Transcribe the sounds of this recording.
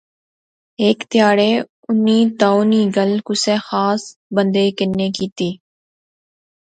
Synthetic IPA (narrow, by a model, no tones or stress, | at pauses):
eːkt̪jaːɽeː | ʊnːiːt̪aːoːniːɡəlkʊsẽːxaːsbə̃nd̪eːkɪnːeːkiːt̪iː